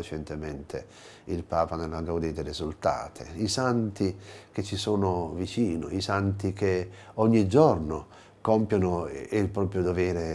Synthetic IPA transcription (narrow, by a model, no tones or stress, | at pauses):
et͡ʃɛnt̪emɛnt̪ʰḛ | ilpaːpanelːaɡad̪id̪eɾizult̪a̰ːt̪ʰḛisant̪ik̟et͡ʃːisoːnʊvit͡ʃiːnʊ̰isant̪ik̟eɔɲːid͡ʒɔrno | kɔmpjonʊilpɾɔːpɾjʊd̪ovɛːɾe